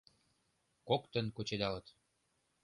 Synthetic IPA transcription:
kokt̪ə̆nkot͡ɕed̪ɑlɤ̆t̪

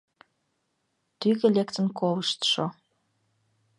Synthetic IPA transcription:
t̪yɣelʲekt̪ə̆nkoləʃt̪ʃo

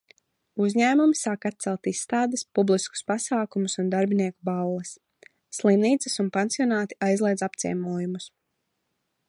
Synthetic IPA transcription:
uzʲɲæːmumisaːkat̪̚t̪sɛlˠt̪isːt̪aːd̪espublˠisku̥spasaːkumusund̪aɾbiniɛkubalˠlɛsː | lˠimniːt̪sɨsunpensijɔnaːt̪i̥ajzlˠɛjd̪apt̪sḭɛmuɔjumus

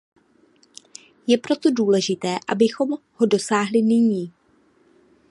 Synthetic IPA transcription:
jɛpɾo̞t̪o̞duːlɛʒɪt̪ɛːʔa̰bɪxo̞m | ho̞do̞saːɦlɪnɪɲiː

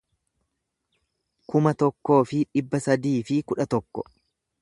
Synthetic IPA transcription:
kʊmɐt̪ɔkːo̞ːfɪᶑɪbːɐsɐd̪iːfɪkʊᶑɐt̪ɔkːɔ

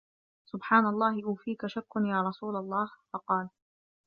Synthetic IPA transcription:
sʊbħaːnalˤːɑːhɪʔuːfiːkaʃakːʊnjaːɾˤɑsuːlalˤːɑːhfɑqɑːl

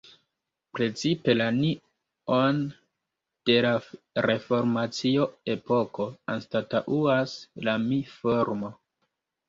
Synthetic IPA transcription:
pɾe̞t͡sipe̞lani | on | d̥e̞la | ɾe̞fo̞ɾmat͡sio̞e̞po̞ko̞anstataʔuaslamifoɾmo

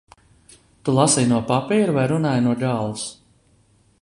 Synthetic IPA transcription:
t̪ulˠasijnuɔpapiːɾuvajɾunaːjnuɔɡaːlˠus

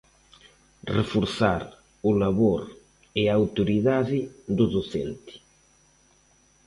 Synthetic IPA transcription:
refuɾθaɾ | ulaβoɾ | eawt̪uɾiðaðɪd̪uðoθɛ̰nt̪i̥

